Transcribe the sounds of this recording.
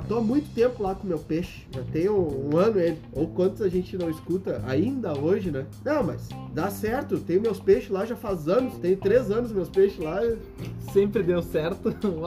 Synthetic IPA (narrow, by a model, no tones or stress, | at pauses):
t̪õamũj̃t̪ʊ̥t̪ẽmpʊlakõmewpeʃɪ̥ʒat̪ẽj̃ʊũɐ̃nʊelɪowkwɐ̃nt̪ʊzaʒẽnt͡ʃɪnɐ̃w̃ɪskut̪ɐʔa̰ĩnd̪ɐoʒɪnɛnɐ̃w̃mɐ̰sd̪asɛɾt̪ʊt̪ẽj̃ʊmewspeʃɪlaʒafazɐ̃nʊst̪ẽjʊt̪ɾezɐ̃nʊs̬mewspeʃɪla | sẽmpɾɪd̪ewsɛɾt̪ʊla